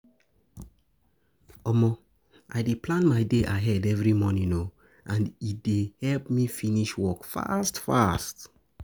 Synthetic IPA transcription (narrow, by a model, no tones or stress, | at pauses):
ɔmɔ | ʔa̰jdeplãnmaɪdeʔaɦɛdɛvɹimɔnĩŋno | ʔãndit̚dehɛlpmifiniʃwɔkfa̰stfa̰st